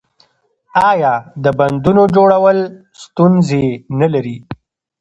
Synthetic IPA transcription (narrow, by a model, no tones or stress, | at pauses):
ɑjɑːd̪əband̪unod͡ʒoɽawəl | st̪unzenalaɾi